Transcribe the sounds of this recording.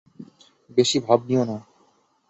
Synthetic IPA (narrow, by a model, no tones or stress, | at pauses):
beʃibʱab̚niona